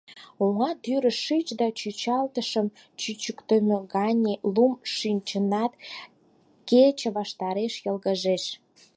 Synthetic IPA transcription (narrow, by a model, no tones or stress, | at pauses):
oŋɑt̪yɾəʃit͡ɕd̪ɑt͡ɕyt͡ɕɑlt̪əʃəm | t͡ɕyt͡ɕəkt̪ømeɣɑnʲelumʃinʲt͡ɕənɑt̪ | ket͡ɕə̆βɑʃt̪ɑɾeʃjəlɣəʒeʃ